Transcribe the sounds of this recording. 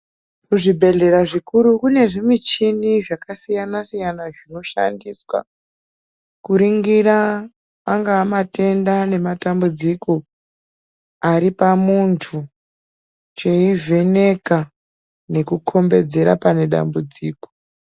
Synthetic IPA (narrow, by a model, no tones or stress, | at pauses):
kuʐibʱe̞ɮe̞ɾaʐikuɾukune̞ʐimit͡ʃiniʐakasijanasijanaʐino̞ʃa̰ndiswa̰ | kuɾiŋɡira | paŋɡaːmate̞ndane̞matambud͡ziko̞ | aɾipamuntʰu | t͡ʃeivʱene̞ka | ne̞kukʰo̞mbe̞d͡ze̞ɾa̰pane̞ɗa̰mbud͡ziːko